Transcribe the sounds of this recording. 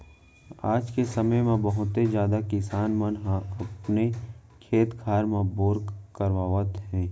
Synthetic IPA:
aːd͡ʒkesɐməjmẽbɐɦʊt̪ːed͡ʒjaːd̪akɪsaːnmənɦɐpne | kʰeːt̪kʰaːɾmãboːɾkəɾʋaːʋət̪ɦɛ̃ː

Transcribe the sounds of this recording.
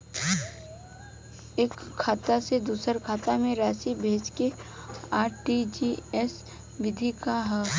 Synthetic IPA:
eːkʰːaːt̪ased̪uːsəɾkʰaːt̪amẽɾaːsibʱeːt͡ʃkeaːɾʈid͡ʒiɛs | ʋɪd̪ʱikaɦɛ

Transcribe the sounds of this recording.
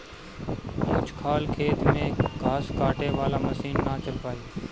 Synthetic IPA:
kʊt͡ʃʰkʰaːlkʰeːt̪mẽːɡʱaːskaːʈeːʋaːlaːməsiːnːaːt͡ʃəaːiː

